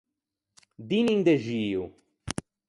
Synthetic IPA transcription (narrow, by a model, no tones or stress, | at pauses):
d̪iniŋd̪eʒiu